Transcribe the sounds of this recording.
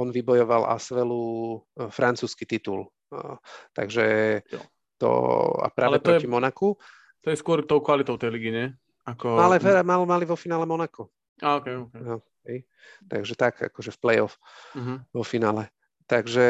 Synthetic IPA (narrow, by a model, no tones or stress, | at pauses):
ɔnʋibɔjɔʋala̰sʋɛlu | fɾʔant͡suːskit̪it̪ṵl | t̪aɡʒɛ | t̪ɔ̰a̰pɾaːɛp̪ɾɔɛimɔnaku | t̪ɔjɛskʊɔɾt̪ɔʊkʋalit̪ɔʊt̪ɛjliːɡiɲɛ | akɔalɛvɛɾamalmaliʋɔfinaːlɛmɔnakɔ | aɔkɛkɛj | t̪aɡʒɛt̪aɡa̰kɔʒɛfplɛjɔf | ɦʋɔfinaːlɛ | t̪aɡʒɛ